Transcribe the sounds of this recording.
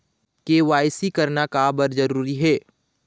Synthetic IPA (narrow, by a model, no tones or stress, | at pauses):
keːʋaːɪsikɐɾnakabɐɾzɐɾuːɾiɦɛː